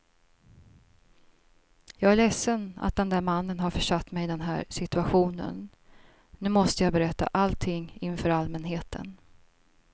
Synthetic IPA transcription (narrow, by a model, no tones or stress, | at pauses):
jɑːɡæɭɛsːəna̰t̪̚d̪ɛnd̪æːɾmanːənɦaɾfœʂat̪ːmɛjd̪ɛnɦæ̰ːɾsɪt̪ɵaɧuːnə̰n | nʉ̟ːmɔst̪əjɑːbɛɾɛt̪ːa̰ʔalt̪ʰɪŋːɪnfœːɾalmɛnɦeːt̪ʰə̰n